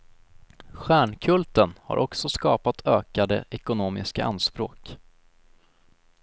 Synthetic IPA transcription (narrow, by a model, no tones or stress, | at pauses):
ɧæːɳkʰɵlt̪ənha̰ɾʔɔksɔskɑːpat̪ʰøːkad̪əʔɛkʊnoːmɪ̰skaʔa̰nspɾoːk